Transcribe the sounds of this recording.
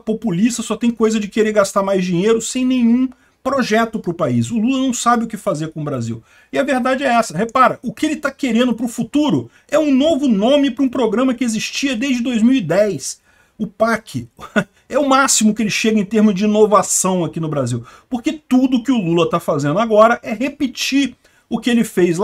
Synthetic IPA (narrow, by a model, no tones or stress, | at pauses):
populist̪ɐsɔt̪ẽj̃kojzɐd͡ʒɪkeɾeɾɡast̪aɾmajzd͡ʒĩɲejɾʊsẽj̃nẽj̃ũ | pɾoʒɛt̪ʊpɾʊpais̬ʊlulɐnɐ̃w̃sabɪʊkɪfazeɾkõʊbɾazḭw | ɪɐveɾd̪ad͡ʒɪɛɛsɐhepaɾɐʔʊkɪelɪt̪akeɾẽnd̪ʊpɾʊfut̪uɾʊ | ɛũnovʊnõmɪpɾʊũpɾoɡɾɐ̃mɐkɪeziʃt͡ʃiɐd̪ejzd͡ʒɪd̪ojzmiwid̪ɛjs | ʊpakʰɪ | ɛʊmasimʊkɪelɪʃeɡɐẽt̪eɾmʊzd͡ʒɪinovasɐ̃w̃akinʊbɾaziwpoɾket̪ud̪ʊːkɪʊlulɐt̪afazẽnd̪ʊaɡɔɾɐʔɛɦepɪt͡ʃiɾ | ʊkɪelɪfejzl